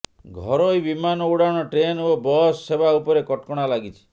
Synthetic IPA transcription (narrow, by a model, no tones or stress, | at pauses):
ɡʱɔɾojbimanɔuɽaɽ̃ɔʈɾenobɔsːebʱaupɔɾekɔʈkɔɽ̃alaɡit͡ʃʰi̥